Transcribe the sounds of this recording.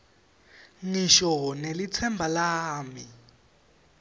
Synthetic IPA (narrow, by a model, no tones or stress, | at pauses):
ŋiʃɔnelit͡sʰɛmbʱalaːmi